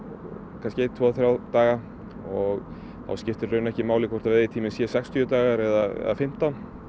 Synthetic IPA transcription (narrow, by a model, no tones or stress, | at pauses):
kʰanscɪeːt̪ʰvɔːθɾjaːwt̪aːɣa | ɔɣ | θa̰wscɪft̪ɪɾrœːɥnɛhcɪmaːwlɪkʰvɔɾ̥t̪avɛðɪt̪ʰiːmɪsɛɛsɛkst̪ʰyʏt̪aːɣaɾɛðaɛ̰ðafɪm̥t̪awn